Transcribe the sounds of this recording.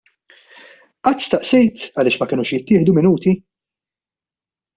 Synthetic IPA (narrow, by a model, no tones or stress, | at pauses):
ʔɐt̪ːst̪ɐʔsɛjt̪ɐlɪːʃmɐkɪnuːʃjɪt̪ːɪːħd̪umɪnuːt̪i